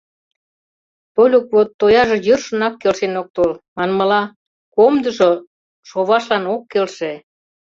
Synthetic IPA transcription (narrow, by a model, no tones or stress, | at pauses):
polʲokβot̪ːojɑʒɤ̆jørʃə̆nɑkːelʃenok̚t̪olmɑnmə̆lɑ | komd̪ə̆ʒo | ʃoβɑʃlɑnokːelʃe